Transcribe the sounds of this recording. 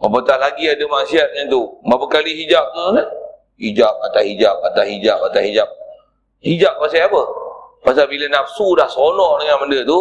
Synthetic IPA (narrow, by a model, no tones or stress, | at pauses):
məpət̪ahlaɡiadəmasiat̪̚ɲat̪umapəkaliɦid͡ʒap̚t̪una | hid͡ʒap̚at̪aɦid͡ʒap̚at̪aɦid͡ʒap̚at̪ahid͡ʒap̚ | hid͡ʒap̚ːasiapəpasabilənap̚sudahsonɔhdəŋanməndət̪u